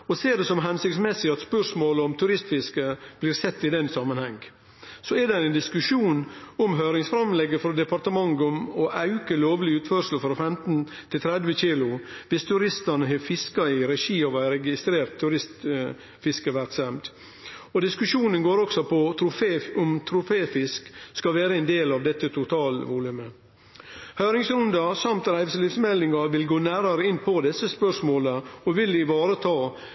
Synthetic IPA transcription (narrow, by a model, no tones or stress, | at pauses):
ɔseːɾɖɛsɔmɦɛnsɪkt̪smɛsːɪɑt̪spœʂmoːlɔmt̪ʰʉɾɪst̪fɪskəb̥liːɾsɛt̪ːɪd̪ɛnːsɑmənhɛŋː | sɔɛɾd̪ɛæɪnd̪ɪskʉʂuːnɔmɦøːɾɪŋsfɾɑmlɛɡːəfɾɔd̪ɛpɑɾt̪əmɑŋɡɔmɔʔɑʉkəloːʋlɪʉːt̪fœɾʂəl̩fɾɔfɛmt̪n | t̪ʰɪlt̪ʰɾɛd̪ʋəçiːlʊʋɪst̪ʰʉɾɪst̪ɑnəɦɛfɪskɑɪɾɛʂiːɔʋæɪɾɛɡɪst̪ɾeːɾt̪ʰːʉɾɪst̪ | fɪskəʋæɾksɛmt̪ | ɔd̪ɪskʉʂuːnənɡoːɾɔksɔpʰɔt̪ʰɾʊfeːʊmt̪ʰɾʊfeːfɪskskɑʋæːɾəɛnd̪eːlɑʋd̪ɛt̪ːət̪ʰʊt̪ʰɑːlʋuːlʉmə | hœːɾɪŋsɾʉnd̪ɑsɑmt̪ɾæɪʋslɪfsmɛld̪ɪŋɑʋɪlɡoːnæːɾɑɾəɪnːpʰɔd̪ɛsːəspœʂmoːləɔʋɪlɪʋɑːɾət̪ʰɑː